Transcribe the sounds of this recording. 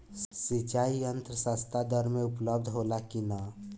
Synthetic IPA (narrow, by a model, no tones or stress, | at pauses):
sit͡ʃaːiə̃nt̪ɾəsaːst̪ʰad̪əɾmẽʊpləb̚d̪ʱɦolakina